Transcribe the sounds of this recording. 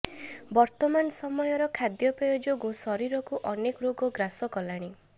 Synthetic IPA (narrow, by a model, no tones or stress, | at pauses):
bɔɾt̪ɔmanɔsɔmɔjɔɾɔkʰad̪jɔpɾɔjod͡ʒoɡusɔɾiɾɔkuʔɔnekɔɾoɡɔɡɾasɔkɔlaɽ̃i